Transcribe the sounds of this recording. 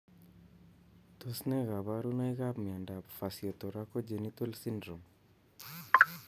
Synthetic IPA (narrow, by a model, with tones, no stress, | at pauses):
t̪o˦snɛ˦ɣa˨βa˦ɾu˦na˦iɣa˦pmi˨a˨nda˨pfa˨sjɔ˨t̪ɔ˨ɾa˦kɔ˦d͡ʒe˨nit̪ɛ˦lsi˦ndɾɔ˨m